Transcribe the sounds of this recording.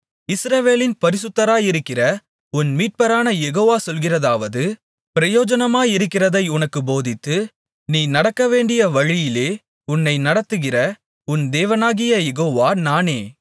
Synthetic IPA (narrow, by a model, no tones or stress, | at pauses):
ɪsɾɐʋeːlɪnpɐɾɪsɯt̪ːɐɾaːjɪɾɯkːɪrɐ | ʊnmiːʈ̚pɐɾaːnɐjɛɣoːʋaːsɔlɣɪrɐðaːʋɐðɯ | pɪɾɐjoːd͡ʒɐnɐmaːɪɾɯkːɪrɐðɐɪʊnɐkːɯboːðɪt̪ːɯ | niːnɐɽɐkːɐʋeːɳɖɪjɐʋɐɻɪjɪleː | ʊnːɐɪnɐɽɐt̪ːɯɣɪrɐ | ʊnd̪eːʋɐnaːɣɪjɐjɛɣoːʋaːnaːneː